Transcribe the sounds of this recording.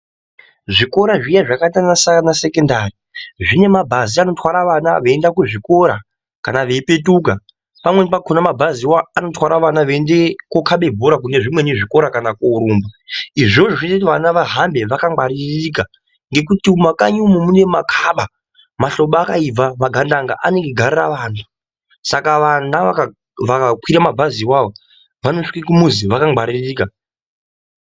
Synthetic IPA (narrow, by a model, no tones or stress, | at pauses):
ʐiko̞ɾaʐijaʐakatanasaanase̞kendari | ʐine̞mabʱaziano̞twaɾaʋana̰ʋe̞ːndakuʐiko̞ɾa | kanaʋe̞pe̞tuka | pamwe̞nepakʰonamabʱaziwaːno̞twaɾaʋanaʋendekokʰaɓe̞bʱoɾak̬une̞ʐimwe̞neʐiko̞ɾakanakoːɾuːmbaiʐo̞ʐoʐinetiʋanaʋaɦambe̞ʋakaaɾirrika | ŋɡe̞kutiumakaɲumumune̞makʰaɓa | maɬo̞ɓaːkaib͡vamaɡʱandaŋɡa̰ʔane̞ŋɡeɡʱariraʋaːntʰu̥ | sakaʋanaaa | ʋakakwiɾamabʱaziwaʋo | ʋano̞ʂi̥kikumuziʋakaɡ͡baɾiriːka